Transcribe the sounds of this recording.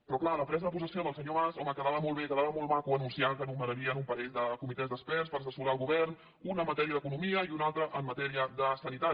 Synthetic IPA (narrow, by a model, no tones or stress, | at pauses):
pɾɔklaləpɾɛzəðəpusəsioðəlˠsəɲoβazɔməkəðaβəmɔlˠβekəðaβəmɔlˠmakuənunsiakənuməɾəɾiənumpəezðəkumit̪ɛzd̪əspɛrspəɾəsəsuɾaːlˠɣuβɛrn | unəmːət̪ɛɾiəðəkunumiəiunalˠt̪ɾəʔəmːət̪ɛɾiəd̪əsənit̪a